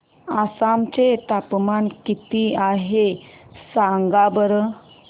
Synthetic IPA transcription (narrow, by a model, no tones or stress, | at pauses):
asamt͡ɕet̪apmankit̪iaɦesãŋɡabəɾə